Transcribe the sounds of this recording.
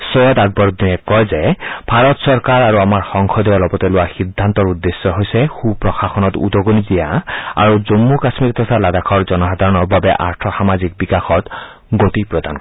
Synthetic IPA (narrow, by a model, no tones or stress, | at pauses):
sɔjɔt̪aɡ̚bɔɹd̪inɛkɔjzɛb̥ʱaɹɔtsɔɹkaɹaɹuamaɹxɔŋxʰɔd̪iɔlɔbɔtɛlʊwaxid̪ʱːant̪ɔɹud̪ːesːɔɦojsɛxupɹɔxaxɔnɔtṵd̪ɔɡonidijaa̰ɹuzomːukasmikt̪ʰɔsʰalad̪akʰɔɹzɔnɔxad̪ʱaɹɔnɔbabɛ̰ʔa̰ɹt̪ʰɔxamazik̚bikaxɔt̪ | ɡot̪ipɹɔd̪ank